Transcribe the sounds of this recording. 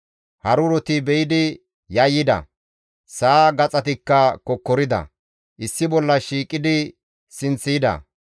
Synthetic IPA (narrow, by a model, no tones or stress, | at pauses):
hɐɾʊɾɔt̪ɪbɛjɪd̪ɪ | jɐjːɪd̪ɐ̰ | saːɡɐt͡sʼɐt̪ɪkːɐkɔkːɔɾɪd̪ɐ̰ | ʔɪsːɪbɔlːɐʃiːkʼːɪd̪ɪ | sɪnt͡sːɪjɪd̪ɐ̰